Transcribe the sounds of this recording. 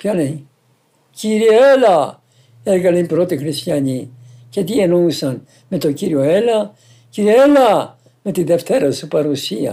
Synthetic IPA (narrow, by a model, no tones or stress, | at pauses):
pçɐle | ciɾieelɐ | eɾɣɐleipɾo̞t̪ixɾist̪jɐɲi | cet̪ienousɐn | me̞t̪ociɾio̞e̞lɐ | ciɾieelɐ | me̞t̪iðe̞ft̪e̞ɾɐsupɐɾusiɐ̰